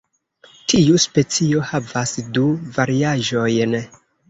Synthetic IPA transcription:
tʰiuspe̞t͡sio̞havasduvaɾiaʒo̞jn

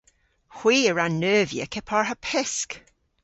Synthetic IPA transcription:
hw̥iːəɹanːœːvjə̰kʰɛpʰɔɹhəpʰɪsk

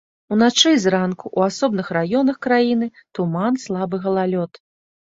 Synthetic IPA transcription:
unat͡ʂɨzɾankuʔuasɔbnɨxrajɔnɐxkɾajinɨt̪umanslˠabɨɣɐlˠalʲɔt̪

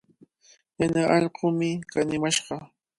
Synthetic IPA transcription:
janaʔɑʎqʊmɪkanɪmaʃɢɑ

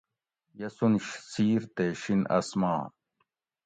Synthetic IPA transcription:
jɐsunɕsiːɾt̪eɕinɐ̰smã̰ː

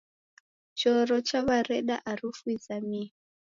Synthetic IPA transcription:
t͡ʃɔrɔt͡ʃaβarɛɗaʔarufwizami

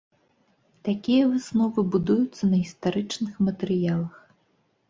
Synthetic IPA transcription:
t̪akʲijɐvɨsnɔvɨbud̪ujut̪sːɐnɐɣʲist̪aɾɨt͡ʂnɨxmɐt̪ɛɾɨjalˠɐx

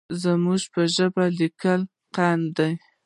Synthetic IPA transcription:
zəmuʒpəʒəbalikəl | qand̪aj

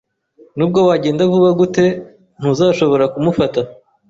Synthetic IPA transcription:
nuːb̚ɡo̞waɟe̞ːndavuβaɡute̞ | n̥huzaːʃo̞βo̞ɾakumufata

